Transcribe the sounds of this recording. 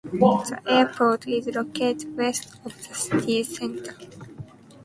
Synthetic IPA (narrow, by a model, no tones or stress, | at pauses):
ðəʔɛpʰodɪzlokʰetwɛst | ɔvðəst̪ʰisɛ̃ntʰə˞